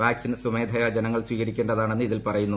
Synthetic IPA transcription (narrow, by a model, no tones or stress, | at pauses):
ʋaːksinsume̞ːd̪ʱɐjɐd͡ʑenɐŋːɐɭsʋiːɣɐɾikʲːeɳɖɐðaːɳe̞nːɨiðilpɐrɐjunːu